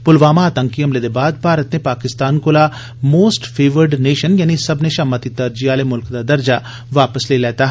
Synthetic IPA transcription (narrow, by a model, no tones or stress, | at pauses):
pʊlʋaːmaəːt̪əŋkiɦəmleːd̪eːbaːd̪̚paːɾət̪neːpaːkɪst̪aːnkoːla | moːsʈpʰeːʋəɾɖneːʃənjaːnisəbneːʃəmːət̪it̪əɾd͡ʒiaːleːmʊlkd̪aːd̪əɾd͡ʒaː | ʋaːpəsleːlɛːt̪aɦ